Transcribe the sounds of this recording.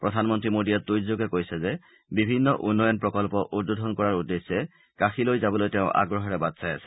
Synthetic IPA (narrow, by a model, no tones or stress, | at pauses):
pɹɔdʱanmɔntɹimodijatdojzoɡɛkojsɛzɛ | bibʱinːɔʔunːɔjɔnpɹɔkɔlpɔʔut̚bodʱɔnkɔɹaɹudːesːɛ | kaxilojzabɔlojteʊ̃ʔa̰ɡɹɔɦɔɹɛbadsaja̰sɛ̥